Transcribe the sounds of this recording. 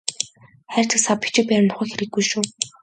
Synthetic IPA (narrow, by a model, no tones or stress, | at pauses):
χæːr̥ʲt̪ʰɘ̆sapi̥t͡ɕɪ̆k̚pæːɾɪ̆nt̪ʊ̥χə̆ːxeɾɘ̆ɡːujʃuː